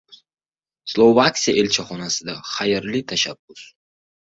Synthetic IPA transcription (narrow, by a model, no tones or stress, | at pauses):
slˠovaksʲijaʔelt͡ʃʰaχɒnasɪd̪aχajɾlɪt̪ʰaʃabːʊs